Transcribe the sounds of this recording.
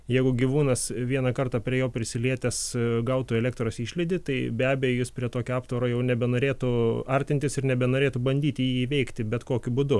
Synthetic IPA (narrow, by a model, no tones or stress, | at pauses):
jɛɪɡʊɡʲiʋuːnɐsʋʲiɛnɐkɐrt̪ɑpʲɾʲiɛjoːpʲɾʲɪsʲɪlʲiɛt̪ʲɛsɡɐʊt̪ʊɛlʲæːk̚t̪ɾoːsiːʃʲlʲɛɪd̪ʲɪt̪ɐɪbʲæːbʲɛjoːjɪspʲɾʲiɛt̪oːkʲoɑːpt̪ʋoɾoːjɛʊnʲɛbʲɛnoːɾʲeːt̪ʊɐɾʲt̪ʲɪnʲt̪ʲɪsɪrnʲɛbʲɛnoːɾʲeːt̪ʊbɐnʲd̪ʲiːt̪ʲjiːʋʲɛɪkt̪ʲɪbʲɛt̪koːkʲʊbʊd̪ʊ